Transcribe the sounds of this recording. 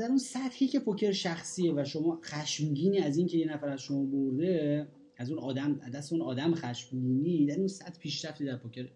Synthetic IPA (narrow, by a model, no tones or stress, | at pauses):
d̪æɾunsæt̪hiːcʰe̞pʰocʰe̞ɾʃæxsiːevæʃomɒːxæʃmɟiːniæziːŋcʰe̞je̞næfæɾæzʃo̞mɒːboɾd̪e̞ | æzunɒːd̪æmd̪æseunɒːd̪æmxæʃmɟiːnid̪æɾunsæt̪pʰiːʃɾæft̪iːd̪æɾpʰocʰeɾ